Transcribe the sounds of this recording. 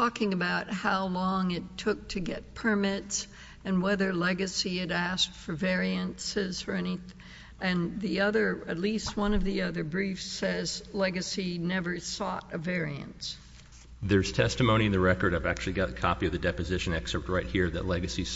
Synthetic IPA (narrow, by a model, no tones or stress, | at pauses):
tɔkɪ̃ŋɨbaʊt̚haʊlɔ̃ŋɪtʰʊk̚tʰɨɡɛt̚pʰə˞mɪts | ɨ̃nwɛðə˞lɛɡɨsiɨɾæskfə˞vɛɹiɨ̃nsɪzə˞ɛni | ɨ̃nðiʌðə˞ɨ̰tˡlist̚wʌ̃nʌvðiʌðə˞bɹifsɛz̥lɛɡɨsinɛvə˞sɔ̰ɾɨvɛɹiɨ̰̃nts | ðə˞z̥tʰɛstɨmõʊ̃ɾ̃iɨ̃nðɨɹɛkə˞ɾaɪvæk̚t͡ʃʉl̩ˠiɡɑɾɨkʰɑ̰piʌvðɨdɛpɨzɪʃɨ̃nɛksə˞t̚ɹaɪt̚hiɹðɨ̰tˡlɛɡɨsi